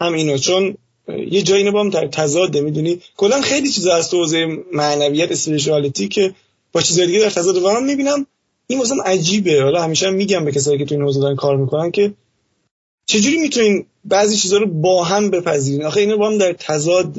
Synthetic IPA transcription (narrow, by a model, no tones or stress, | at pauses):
hæmiːnot͡ʃʰon | je̞d͡ʒɒːjinbɒːhæmd̪æɾt̪ʰæzɒːd̪emid̪unikʰo̞lːænxe̞jlit͡ʃʰizɒæst̪ohoːzejemæʔnævijæt̪espeɾeʃ̬uælit̪ʰicʰe | b̥ɒːt͡ʃʰiːzɒːjed̪iɟed̪æɾt̪ʰæzɒːd̪evæɾɔnmibiːnæm | inmosælæmʔæd͡ʒiːbehɒlɒːhæmiːʃɛæmːiːɟæmbecʰes̬ɒːjiːcʰe̞t̪uiːnhozed̪ɾinkʰɒːɾmiːkʰo̞næncʰe̞ | t͡ʃʰe̞d͡ʒuːɾimit̪ʰuniːn | bæʔziːt͡ʃʰiːzɒːɾobɒːɦæmbe̞pʰæziːɾiːnɒːxeiːnobɒːhæmd̪æɾt̪ʰæzɒːd̪